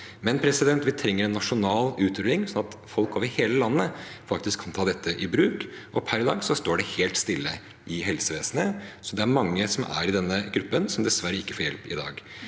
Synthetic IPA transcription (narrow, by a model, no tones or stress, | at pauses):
mɛnpʰɾɛsɪd̪ɛnt̪ʋɪt̪ʰɾɛŋːəɾɛnːɑʂʊnɑːlʉːt̪ɾʉɪŋsɔnɑt̪fɔlkoːʋəɾheːləlɑnːəfɑk̚t̪ɪskʰːɑnt̪ʰɑːd̪ɛt̪ʰːəʔɪbɾʉːk | ʔɔpʰæɾd̪ɑ̰ːɡsɔst̪oːɖɛheːlt̪st̪ɪlːə | ʔɪɦɛlsəʋeːsənəsɔd̪ɛæɾmɑŋːəsɔmʔæ̰ɾɪd̪ɛnːəɡɾʉpːənsɔmd̪ɛsʋæɾːəɪkːə̥foːɾjɛ̰lpɪ̰d̪ɑ̰ːɡ